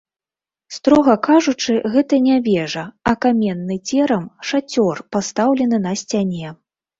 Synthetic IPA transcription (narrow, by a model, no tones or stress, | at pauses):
st̪ɾɔɣɐkaʐut͡ʂɨɣɛt̪ɐnʲavʲɛʐɐɐkamʲɛnːɨt͡sʲɛɾɐmʂat͡sʲɔrpast̪awlʲɛnɨnɐsʲt͡sʲanʲɛ